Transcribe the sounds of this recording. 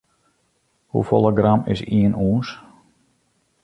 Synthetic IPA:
hṵfolˠəɡramɪ̰siənuːns

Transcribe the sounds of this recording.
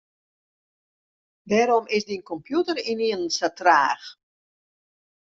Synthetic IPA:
dɛːɾɔmʔɪsdinkɔmpjutəriniənsatraːx

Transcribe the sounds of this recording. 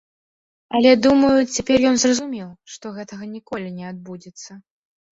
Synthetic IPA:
ɐlʲɛd̪umɐjut͡sʲapʲɛrjɔnzrɐzumʲiwʂt̪ɔɣɛt̪ɐɣɐnʲikɔlʲinʲɛad̪̚bud͡zʲɛt̪sːɐ

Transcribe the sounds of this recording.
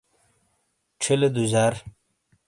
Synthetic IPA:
ʈ͡ʂʰiled̪uzaːɾ

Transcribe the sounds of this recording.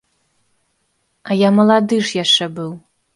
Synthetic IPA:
ajamɐlˠadɨʂjaʂɐbɨw

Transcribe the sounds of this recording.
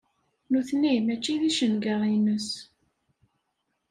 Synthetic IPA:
nuθnimæt͡ʃːiðiʃənɡəʁinəs

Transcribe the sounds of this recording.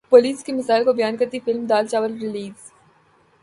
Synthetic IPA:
poːliːskemɪsaːɪlkobɐjaːnkɐɾt̪ifɪlmd̪aːlt͡ʃaːʋəlɾɪliːz̥

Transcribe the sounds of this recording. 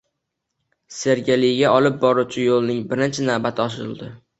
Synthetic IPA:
se̞ɾɡʲelɪjɡʲaɒlɪp̚bɒɾuwt͡ʃʰɪjolˠnɪŋbɪɾɪnt͡ʃʰɪnavbat̪ʰɪɒʃ̬ɪɾɪ̰lˠd̪ɪ

